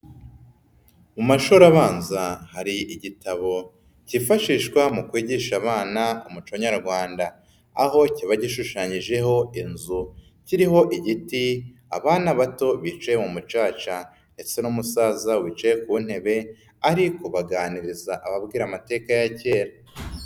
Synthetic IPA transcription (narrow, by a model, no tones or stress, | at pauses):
mumaʃuɾaβaːnzahaɾiiɟitaβo̞ | cifaʃiːʃkwamukwiːɟiʃaβaːnaumut͡ʃoɲaɾɡwaːnda̰ː | ɦo̞ciβaɟiʃuʃaɲiʒe̞ɦo̞inzu | ciɾiɦo̞ʔiɟitia̰βaːnaβato̞βit͡ʃajemumut͡ʃaːt͡ʃa | nde̞t͡se̞numusaːzawiːt͡ʃajekun̥he̞βe̞ | aɾiko̞βaɡaːniɾizaʔaβabɡiːɾamate̞ːkajace̞ːɾa